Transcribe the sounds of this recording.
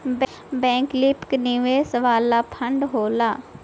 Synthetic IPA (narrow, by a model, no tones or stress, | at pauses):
b | bɛ̃ːŋklɪpkniʋeːsəʋaːlːaːpʰəɳɖɦoːlaː